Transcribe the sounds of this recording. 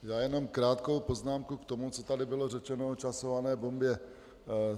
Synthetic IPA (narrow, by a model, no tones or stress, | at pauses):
jaːjɛnomkɾaːt̪ko̞wpo̞znaːmkukt̪o̞mut͡sot̪adɪbɪlo̞rɛt͡ʃɛnoot͡ʃasovanɛːbombjɛ